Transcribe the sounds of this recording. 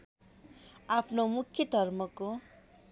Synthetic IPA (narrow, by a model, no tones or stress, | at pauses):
apʰnomukʰːjʌd̪ʱʌrmʌko